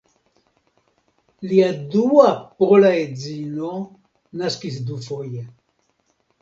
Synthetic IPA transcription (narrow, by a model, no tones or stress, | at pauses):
liaduapolaed͡zino | naskis̬d̪ufoje